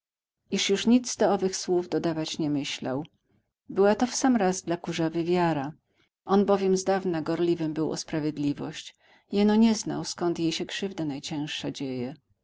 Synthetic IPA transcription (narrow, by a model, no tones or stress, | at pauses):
iʂjuʂɲid̪zd̪ɔɔvɘxswuvd̪ɔd̪avat͡ɕɲɛmɘɕla̰w | bɘwat̪ɔfsamɾazd̪lakuʐavɘvʲjaɾa | ʔɔnbɔvʲjɛmzd̪avnaɡɔɾlʲivɘmbɘwʔɔ̰spɾavʲjɛd̪lʲivɔ̰ɕt͡ɕ | jɛnɔɲɛzna̰wskɔnt̪jejɕɛkʂɘvd̪anajt͡ɕɛ̃w̃ʂad͡ʑejɛ